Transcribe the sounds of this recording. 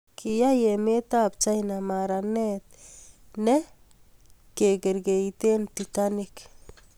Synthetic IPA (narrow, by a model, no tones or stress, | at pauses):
kʰɪjajemet̪ap̚t͡ʃajnamaɾanɛt̪̚nɛ | keɡɛɾɡeit̪ent̪it̪anik